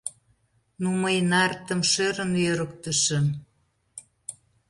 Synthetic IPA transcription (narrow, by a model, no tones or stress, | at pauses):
numəjnɑrt̪ə̆mʃøɾənjøɾə̆kt̪ə̆ʃə̆m